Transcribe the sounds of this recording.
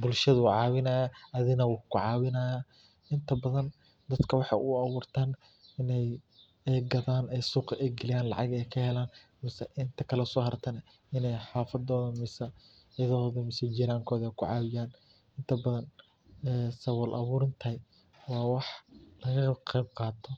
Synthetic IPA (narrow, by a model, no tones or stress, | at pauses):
bʊlʃɐðʊʕɑːwɪnɐːjaɐðɪnɐwʊkʰʊʕɑːwɪnɐːjaː | ɪnt̪ʰɐbɐðɐn | d̪ɐd̪kʰɐwɑħɑ̰jʔʊɑβuːrt̪ʰaːn | ɪnɛj | ɛɡɐðaːnɛjsuːqʔɛjɡɪlɪjaːnlɑ̰ʕɑɡɛjkʰɐhɛlaːn | mɪsɐʔɪnt̪ʰɐkʰɐlɛʊsɔːhɐɾt̪ʰɐnɛ | ɪnɛjħaːfɐd̪ɔːðɐmɪsɐ | ɐðɔːðɐmɪsɛd͡ʒɪɾaːŋkʰɔːðɛjkʰʊʕɑ̰ːwɪjaːn | ɪnt̪ʰɐbɐðɐn | ɛːsɐwɔlʔɐ̰βuːɾɪnt̪ʰɐj | wɑːwɑħlɐɣɐqɛjb̚qɑːt̪ʰɔ